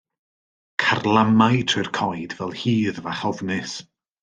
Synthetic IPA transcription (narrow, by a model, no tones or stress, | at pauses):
kʰarlˠamajtʰrɨrkʰɔjdvɛlˠhiːðvaχɔvnɪs